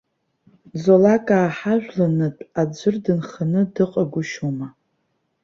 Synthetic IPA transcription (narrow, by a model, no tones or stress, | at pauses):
zolakʼaːħaʒᶣlanɨtʼad͡ʒʷʊrdɨnχanɨdɨqʼaɡʷʊʃuma